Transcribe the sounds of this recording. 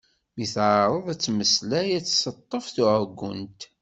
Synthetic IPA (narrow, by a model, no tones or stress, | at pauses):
miθʕɾˤəðˤæt͡sːməslæjæt͡sːsət̪ˤːəfθuʕəɡːʊ̰nt̪